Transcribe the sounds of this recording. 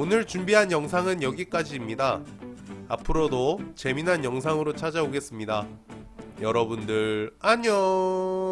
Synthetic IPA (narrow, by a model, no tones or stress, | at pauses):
onɯɭt͡ɕumbiɦanjʌŋsʰaŋɯnjʌɡik͈ad͡ʑiːmɲida | a̰pʰɯɾodot͡ɕe̞minɦanjʌŋsʰaŋɯɾot͡ɕʰad͡ʑaoɡe̞s͈ɯmɲida | jʌɾʌbundɯɾaɲo